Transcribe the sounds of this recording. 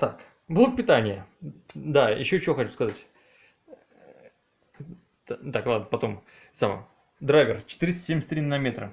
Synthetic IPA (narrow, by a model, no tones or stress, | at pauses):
t̪ak | blˠəkpʲɪt̪anʲɪjə | d̪ajɪ̰ɕːot͡ɕɪvo̞xɐt͡ɕuskɐzatʲ | t̪aklˠad̪nəpɐt̪o̞msamə̰ | d̪ɾajvʲɪrt͡ɕɪ̥t̪ɨɾʲɪst̪ə̥sʲemʲɪsʲt̪ɾʲinːɐmʲet̪ɾə̰